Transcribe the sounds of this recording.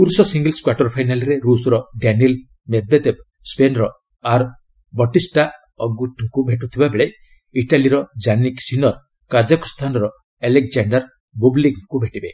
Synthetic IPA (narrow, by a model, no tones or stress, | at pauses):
puɾsɔsiŋɡelskwaʈɔɾpʰajnalɾeɾusɾɔɖaniil | med̪̚bed̪eb̚ | spenɾɔ | aɾ | bɔʈisʈa | ɔɡuʈʰːɔkubʱeʈut̪ʰibabeɭe | iʈaliɾɔd͡ʒaniksinɔɾ | kad͡ʒakɔ̥st̪ʰanɔɾɔ | elek̚d͡ʒaɳɖaɾ | bubliɡkubʱeʈibe